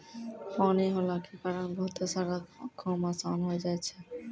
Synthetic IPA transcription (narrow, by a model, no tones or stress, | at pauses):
fɔniɦɔlakepaɾanɡʱot̪esaɾakʰɔmasanɦoed͡ʑajt͡ɕʰe